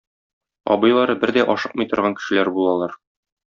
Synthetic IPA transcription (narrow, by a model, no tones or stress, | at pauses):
ɒ̰bɤ̆jlˠɑɾɤbɘɾd̪æʔɒʃɤqmɤjt̪ɤ̆ɾʁɑŋkɘ̥̆ʃɘ̆læɾbulˠɑlˠɑɾ